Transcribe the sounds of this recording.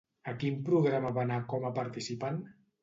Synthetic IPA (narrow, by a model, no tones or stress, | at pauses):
akimpɾuɣɾamaβanakɔmapaɾt̪isipan